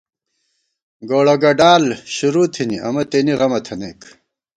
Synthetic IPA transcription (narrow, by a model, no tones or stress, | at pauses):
ɡoːɭɐɡɐɖaːlɕuɾuːt̪ʰiniʔɐ̰mɐt̪eniʁɐmɐt̪ʰɐneːk